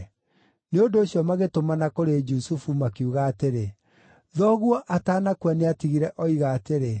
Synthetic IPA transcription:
neondoːɕijɔmaɣetomanakoɾed͡ʒusufumakeuɣaːteɾe | ðɔɣwɔʔataːnakwaneatiɣiɾɛʔɔiɣaːteɾe

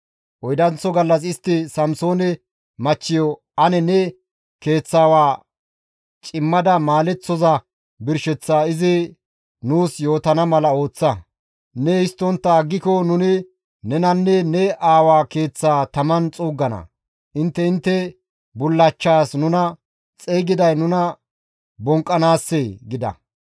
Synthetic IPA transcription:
ʔɔjd̪ɐnt͡sɔɡɐlːɐs̬ɪst̪ːɪsɐmso̞ːnɛ | mɐt͡ʃːɪjɔ | ɐnɛnɛ | ke̞ːt͡sːaːwaː | t͡ʃʼɪmːɐd̪ɐmaːlɛt͡sːɔzɐ | bɪɾʃɛt͡sːaːɪzɪ | nuːsjo̞ːt̪ɐnɐmɐlɐo̞ːt͡sːɐ | nɛhɪst̪ːɔnt̪ːɐːɡːɪkɔnʊnɪ | nɛnɐnːɛnɛʔaːwaːke̞ːt͡sːaːt̪ɐmɐnt͡sʼuːɡːɐnɐ̰ | ʔɪnt̪ːɛɪnt̪ːɛ | bʊlːɐt͡ʃːaːsnʊnɐ | t͡sʼeːɡɪd̪ɐjnʊnɐ | bɔŋkʼːɐnaːsːeɡɪd̪ɐ̰

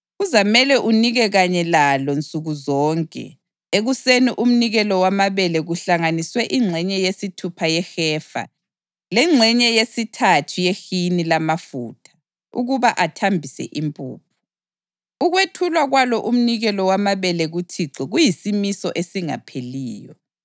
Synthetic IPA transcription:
uzamɛlɛʔuniɣɛɣaɲɛlalɔnt͡sʼuɣuzɔːŋkʼɛ̰ | eɣuseniʔum̩niɣɛlɔwamaβɛlɛɣuɬaŋaniswɛʔiŋ͡ǁʱɛɲɛjesitʰupʰajɛxɛːfa̰ | lɛŋ͡ǁʱɛɲɛjesitʰatʰujexinilamafṵːtʰḁ | ṵɣuβaʔatʰambʱisɛ̰ʔimpʼṵːp̚ʰu̥ | uɣwetʰulwaɣwalɔʔum̩niɣɛlɔwamaβɛlɛɣutʰiǁɔɣujisimisɔʔesiŋa̰pʰeliːjɔ̰

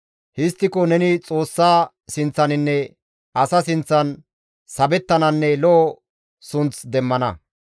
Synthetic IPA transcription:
hɪst̪ːɪkɔnɛnɪt͡sʼo̞ːsːaː | sɪnt͡sːɐnɪnːɛ | ʔɐsɐsɪnt͡sːɐn | sɐbɛt̪ːɐnɐnːɛlɔː | sʊnt͡sd̪ɛmːɐnɐ̰

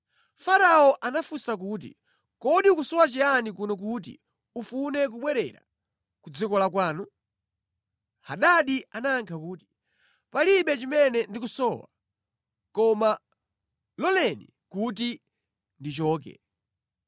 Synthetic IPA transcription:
faɾaɔʔanafusak̬uːt̬ḭ | kɔɗiukusɔwat͡ʃianik̬unɔk̬ut̬ḭ | ufunɛk̬uɓwɛɾɛɾa̰ | kud͡zikɔlakwaːnu | haɗaɗianaːŋkʰakuːti̥ | paliɓɛt͡ʃimɛnɛndik̬usɔwa̰ | kɔma | lɔlɛnḭ | kut̬i | ndit͡ʃɔːk̬ɛ̰

